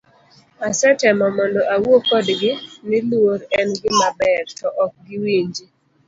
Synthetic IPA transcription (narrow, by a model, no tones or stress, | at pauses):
asɛtɛmɔmɔndɔʔawokɔdɡɪnɪlwoɾɛnɡɪmabɛɾtɔʔɔk̚ɡɪwiɲd͡ʒi